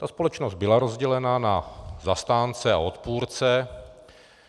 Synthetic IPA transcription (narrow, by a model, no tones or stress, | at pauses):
t̪aspo̞lɛt͡ʃnozd̪bɪlaɾo̞zɟɛlɛnanazast̪aːnt͡sɛa̰o̞t̪puːɾt͡sɛ